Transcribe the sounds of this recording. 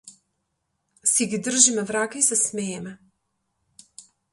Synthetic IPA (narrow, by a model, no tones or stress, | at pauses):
siɡid̪r̩ʒimɛvɾakaisɛsmɛjɛmɛ